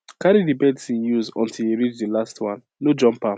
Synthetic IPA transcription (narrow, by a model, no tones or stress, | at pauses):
kaɾidibɛdsĩjuzɔ̰̃ntʰiliɹit͡ʃdilastwãnːod͡ʒɔ̃mpa